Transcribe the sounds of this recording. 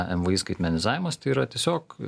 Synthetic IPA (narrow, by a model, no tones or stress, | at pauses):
ʔɛmʋəiːskɐɪt̪ʲmʲɛnʲɪzɑːʋʲɪmɐst̪ɐɪiːɾɐt̪ʲiɛsʲoːk